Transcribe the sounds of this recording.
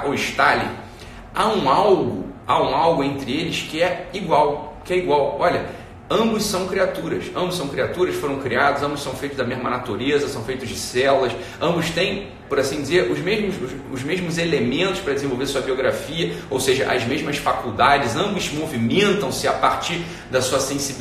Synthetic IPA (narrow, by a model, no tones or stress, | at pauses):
oiʃt̪alɪ̰ | aũawɡʊaũawɡʊẽnt̪ɾɪelɪskɪɛiɡwawkɪɛiɡwawɔʎʲɐ | ɐ̃mbʊssɐ̃w̃kɾiat̪uɾɐsɐ̃bʊsɐ̃w̃kɾiat̪uɾɐsfoɾɐ̃w̃kɾiad̪ʊzɐ̃mbʊsɐ̃w̃fejt̪ʊʒd̪ɐmeʒmɐnat̪uɾezɐsɐ̃w̃fejt̪ʊzd͡ʒɪsɛlɐʃ | ɐ̃mbʊʃt̪ẽj̃ | pɔɾasĩd͡ʒɪzeɾʊzmeʒmʊz | ʊzmeʒmʊzelemẽnt̪ʊʃpɾɐd͡ʒɪzẽvowveɾasuɐbioɡɾafiɐowseʒɐ̰ʔɐ̰zmeʒmɐsfakuwd̪ad͡ʒɪzɐ̃mbʊzmovimẽnt̪ɐ̃w̃sɪapaɾt͡ʃiɾ | d̪ɐsuɐsẽsib